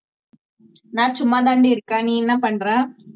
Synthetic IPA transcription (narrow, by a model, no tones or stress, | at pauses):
nãːt͡ʃʊmːaːd̪aːɳɖiɪɾɯkːãːniːɛnːɐpɐɳːɾãː